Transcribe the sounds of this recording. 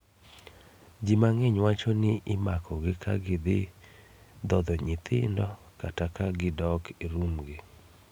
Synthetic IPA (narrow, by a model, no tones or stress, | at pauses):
d͡ʒimaŋɛɲwat͡ʃɔnɪʔɪmakʰɔɡɪkʰa̰ɡɪd̪ɪ | d̪ɔd̪ɔɲɪt̪ʰɪ̰ndɔ | katakaɡɪdɔkiɾumɡɪ